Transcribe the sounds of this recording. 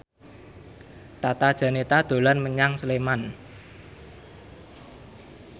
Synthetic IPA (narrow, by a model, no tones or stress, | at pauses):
t̪at̪ad̥ʒ̥ä̤net̪ad̪̥o̤lanməɲaŋsəleman